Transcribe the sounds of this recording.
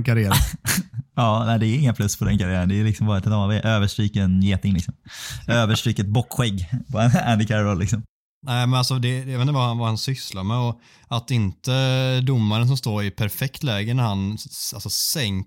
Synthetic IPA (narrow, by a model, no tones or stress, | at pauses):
kaɾɪæːɾ | ɑːnæɪd̪ɛæɾɪŋːənpʰlɵsːpʰɔd̪ɛnkʰaɾɪæːɾənd̪ɛːɾlɪksɔmbɑːɾaɛt̪ʰɛt̪ɑːveːʔøːvəʂʈɾiːkəɛnjeːt̪ɪŋlɪksɔmøːvəʂʈɾiːkəɛt̪̚bɔkːɧɛɡːpʰɔɛnænd̪ɪkʰaɾɾɔlːɪksɔm | næɪmɛnalsɔd̪ɛjɑveːnəahanvahansʏslaɾmɛɔ | at̪ɪnt̪əd̪ʊmːaɾəns̬ɔmst̪oːɾɪpʰæɾfɛkt̪lɛːɡənæɾhanalsɔsɛŋ